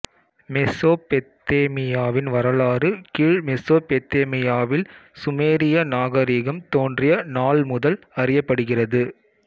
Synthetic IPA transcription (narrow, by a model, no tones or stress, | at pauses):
mɛsoːpɛt̪ːeːmɪjaːʋɪnʋɐɾɐlaːrɯkiːɻmɛsoːpɛt̪ːeːmɪjaːʋɪlsʊmeːɾɪjɐnaːɣɐɾiːɣɐmt̪oːndrɪjɐnaːlmʊðɐl | ɐrɪjɐpːɐɽɯɣɪrɐðɯ